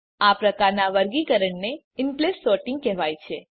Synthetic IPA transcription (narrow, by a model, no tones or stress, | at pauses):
apɾəkaɾnaʋəɾɡikəɾəɳne | ɪmplesːoʈɪŋɡ̚kɛɦʋajt͡ʃʰe